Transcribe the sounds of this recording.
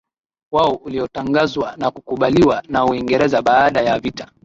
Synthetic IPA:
waɔʔuliɔtaŋɡazwanakukuɓaliwanauiŋɡɛɾɛzaɓaːɗajavitḁ

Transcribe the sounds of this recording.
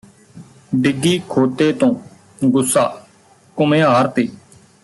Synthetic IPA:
ɖɪɡiːkʰoːt̪eːt̪õː | ɡʊsːaː | kʊmẽːɦaːɾt̪eː

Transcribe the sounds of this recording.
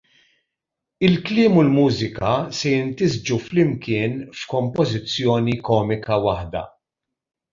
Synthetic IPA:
ɪlklɪːmʊlmuːzɪkɐsɛjɪnt̪ɪzd͡ʒuflɪmkɪːnfkɔmpɔzɪt͡sːjɔːnikɔːmɪkɐwɐħd̪ɐ̰

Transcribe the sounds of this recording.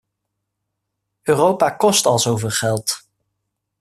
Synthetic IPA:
øːrowpakɔstɑlˠzowvɪːlˠχɛlˠt

